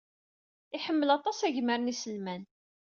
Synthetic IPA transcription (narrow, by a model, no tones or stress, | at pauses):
ɪħəmːəlɑt̪ˤɑsæʝməɾənisəlmæn